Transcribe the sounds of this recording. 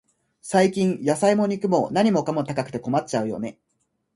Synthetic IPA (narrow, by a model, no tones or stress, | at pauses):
saikʲĩɰ̃jasaimo̞ɲ̟ʲikɯ̟mo̞naɲ̟imo̞kamo̞t̪akakɯ̟̥t̪e̞ko̞mat̚t͡ɕaɯ̟jo̞̰ne̞